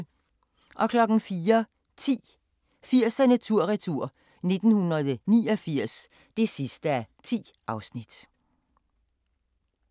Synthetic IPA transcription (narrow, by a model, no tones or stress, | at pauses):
ʔɒ̽kʰlɒ̽ɡ̥n̩fiːɐ | t͡sʰḭː | fiɐ̰sænæt͡sʰuɐ̰ʁɛt͡sʰuɐ̰ | ne̝d̥n̩hunɐðˠniːɒ̽fiɐ̰s | d̥e̝sisd̥əæɐt͡sʰḭːʔɑ̈ʊsnid̥